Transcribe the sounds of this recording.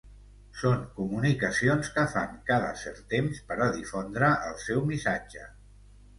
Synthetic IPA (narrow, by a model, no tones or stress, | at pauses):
soŋkumunikəsionskəfaŋkaðə̰sɛ̰ɾt̪emspəɾəðifond̪ɾəʔəlˠsɛwmisad͡ʒə